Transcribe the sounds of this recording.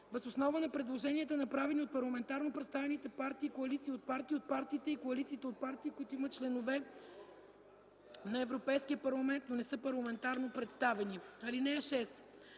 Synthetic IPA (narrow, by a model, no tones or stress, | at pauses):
vəsosnɔvənɐpɾɛd̪lˠoʒɛniɛt̪ənɐpɾavɛniot̪̚pɐɾlˠɐmɛnt̪aɾnopɾɛt̪st̪avɛnit̪ɛpaɾt̪iːkoɐlit̪siːot̪̚paɾt̪iːot̪̚paɾt̪iːt̪ɛikoɐlit̪siːt̪ɛot̪̚paɾt̪iːkʊit̪ʊimət̪̚t͡ʃlɛnovɛ | nɐɛvɾopɛjskiəpɐɾlˠɐmɛnt̪nonɛsɤpɐɾlˠɐmɛnt̪aɾnopɾɛt̪st̪avɛniɐlinɛːʃɛs